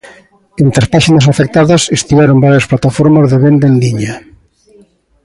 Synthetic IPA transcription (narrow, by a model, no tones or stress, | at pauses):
ent̪ɾaspaʃinɐs̬afek̚t̪aðɐsest̪iβɛɾombaɾjɐsplat̪afɔɾmazðeβend̪enliɲa